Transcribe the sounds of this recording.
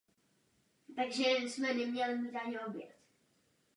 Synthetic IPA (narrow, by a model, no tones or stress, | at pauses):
t̪aɡʒɛɪsmɛnɛmɲɛlɪmiːt̪aɲɛobjɛ̰t̪